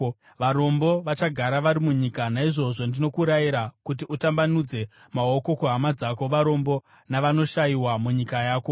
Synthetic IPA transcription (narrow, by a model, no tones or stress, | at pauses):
ʋaɾo̞mbo̞ʋat͡ʃaɡʱaɾaʋaɾimuɲikanaiʐo̞ʐo̞ndino̞kuɾajiɾakut̬iʔutambanud͡ze̞ | mao̞ko̞kuɦamad͡zako̞ʋaɾo̞mbo̞ | naʋano̞ʃajiwamuɲikajaːko̞